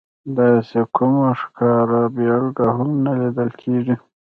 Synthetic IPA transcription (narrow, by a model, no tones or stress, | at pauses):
d̪ɑsekʊmaʂkɑɾabijɑlɡaɦamnalid̪əlkʰeʐi